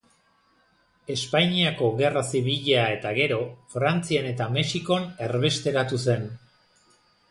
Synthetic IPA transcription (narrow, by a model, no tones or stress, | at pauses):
e̞spajɲiako̞ɣe̞rasiβ̞iʎae̞t̪aɣe̞ɾo̞fɾant͡siane̞t̪ame̞siko̞ne̞ɾβe̞st̪e̞ɾat̪use̞n